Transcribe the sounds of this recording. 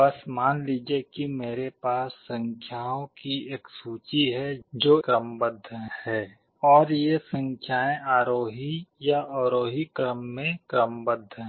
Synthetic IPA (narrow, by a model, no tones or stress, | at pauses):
əsmaːnliːd͡ʒiekimeːɾepaːsːə̃ŋkʰjaːõkieːksuːt͡ʃiɦɛd͡ʒoːkɾəmbəd̪ʱːhɛː | ɔːɾjesə̃ŋkʰjaːẽʔaːɾoːɦijaʔɔːɾoːɦikɾəmːẽkɾəmbəd̪ʱːɦɛ̃